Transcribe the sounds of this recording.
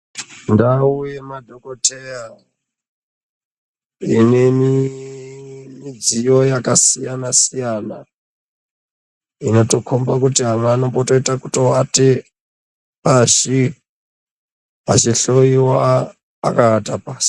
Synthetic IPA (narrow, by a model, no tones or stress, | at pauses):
ndaujemadʱokotʰeja | ine̞mi | mid͡zijo̞jakasijanasijana | ino̞to̞kʰombakutiɦamano̞boto̞itakuto̞wate | paʐi | at͡ʃiɬo̞iwa | a̰kaːtapaːsi̥